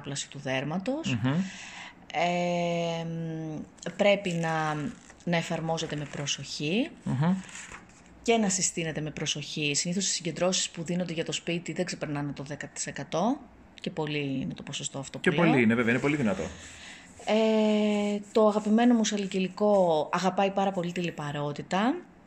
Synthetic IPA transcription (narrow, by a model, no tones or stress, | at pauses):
plɐsi̥t̪uðe̞ɾmɐt̪o̞s | e | m | pɾe̞pinɐ | nɐefɐɾmo̞ze̞t̪e̞me̞pɾo̞so̞çi | ce̞nɐsist̪ine̞t̪e̞me̞pɾo̞so̞çisiniθost̪i̥siɲɟe̞nd̪ɾo̞si̥spuðino̞nd̪e̞ʝɐt̪o̞spit̪iðe̞ɡze̞peɾnɐnet̪o̞ðe̞kɐt̪i̥se̞kɐt̪o̞ | ce̞po̞liine̞t̪opo̞so̞st̪oɐft̪o̞pepoliineveveɛɐinepo̞liðinɐt̪o̞̰ | e | t̪o̞ɐɣɐpime̞no̞musɐliciliko̞ɐɣɐpɐipɐɾɐpo̞lit̪ilipɐɾo̞t̪it̪ɐ